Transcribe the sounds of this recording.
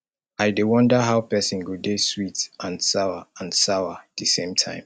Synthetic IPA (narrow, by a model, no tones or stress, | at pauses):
aɪdewʌ̃ndəɦaʊpɛsĩnɡudeswitʔãnsaʊəãnsaʊəð̥isẽmtʰã̰ɪ̃m